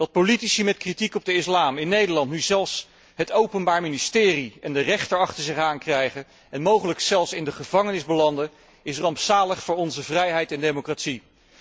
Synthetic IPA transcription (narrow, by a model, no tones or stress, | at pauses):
dɑt̚politisimɛtkritikɔb̚dəɪslaːmɪnːejdəlɑntnyzɛlˠfs | ɦətowpənbaːɹministɪːriɛndərɛχtəɹɑχtəɹzɪχaːnkrɛjχə | ɛnmowχələksɛlˠfsɪndəχəvɑŋənɪzbəlɑndə | ɪsrɑmpsaːləχfʊːɹɔnzəvrɛjɦɛjtɛndejmokratsi